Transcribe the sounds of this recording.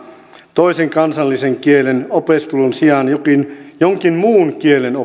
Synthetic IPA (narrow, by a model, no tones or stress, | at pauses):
t̪oiseŋkɑnsɑlːiseŋkielenopeskulunsiɑnjokinjoŋkinmuːnkieleno